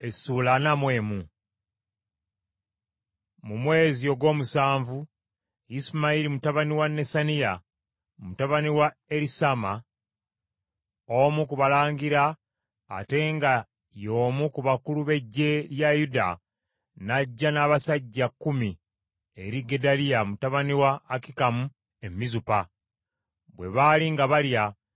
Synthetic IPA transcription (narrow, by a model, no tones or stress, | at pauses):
esuːlanamwe̞ːmu | mumwe̞ːzio̞ɡwo̞ːmusaːɱvu | ismaiɾimutaβaniwanːe̞sanija | mutaβaniwaeɾisama | omukuβalaːŋɡiɾa̰ː | te̞ŋɡa | jo̞ːmukuβakuluβe̞ɟːe̞ljajuda̰ | naɟːanaːβasaɟːakːumi | e̞ɾiɡe̞dalijamutaβaniwaːkikamu | e̞mizupa | βwe̞̰βaːliŋɡaβalja